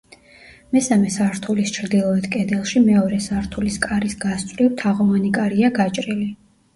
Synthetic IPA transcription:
mɛsamɛsaɾt̪ʰulist͡ʃʰɾd̪ilˠɔɛd̪kʼɛd̪ɛlˠʃimɛɔɾɛsaɾt̪ʰuliskʼaɾisɡast̪sʼvɾiwt̪ʰaʁɔvanikʼaɾiaɡat͡ʃʼɾili

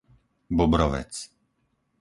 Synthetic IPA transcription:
bɔbɾɔʋɛ̰t͡s

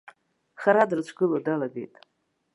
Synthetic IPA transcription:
χaɾadrt͡ʃʷʰɡɨlodaladḛjtʼ

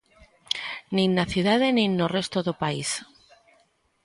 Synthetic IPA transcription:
nĩnːaθjuðaðenĩnːore̞st̪oðopais

